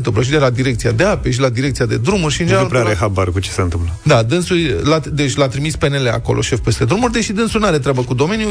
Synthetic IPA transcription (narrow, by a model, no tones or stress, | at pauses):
nt̪ɨmpləʃ̬id̪elad̪iɾekt̪siad̪e̞ape̞ʃ̬ilad̪iɾekt̪sijad̪e̞d̪ɾumurʲʃiɨnd͡ʒeupɾɛaɾeɦabaɾkut͡ʃeseɨnt̪ɨmpləd̪ad̪ɨnsujlad̪et͡ʃʲlat̪ɾimispenele̞a̰ko̞̰loʃe̞fpe̞st̪e̞d̪ɾumurʲd̪eʃid̪ɨnsunaɾe̞t̪ɾʲabəkud̪o̞me̞nju